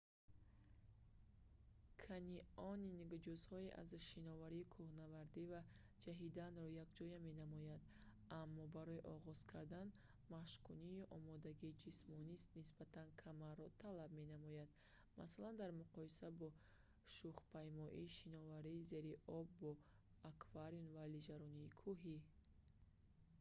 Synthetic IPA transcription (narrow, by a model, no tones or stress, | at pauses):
kʰaniɔniniɡd͡ʒuzhɔeʔa̰zʃinɔvaɾiːkʰuhnavaɾd̪iva | d͡ʒaɦid̪anɾɔjakd͡ʒɔjame̞namɔjad̪ | ʔamːɔbaɾɔiʔɔʁɔz̥kʰaɾd̪an | maʃkʰuniiʔɔmɔd̪aɡiːd͡ʒismɔnist̪nisb̥at̪ʰankʰamaɾːɔt̪ʰalabme̞namɔjad̪ | ma̰saland̪aɾmuqɔisabɔ | ʃuχpʰajmɔʔiʃinɔvaɾiːze̞ɾiʔɔbːɔ | akʰvaɾiunvalid͡ʒaɾɔniːkʰuɦi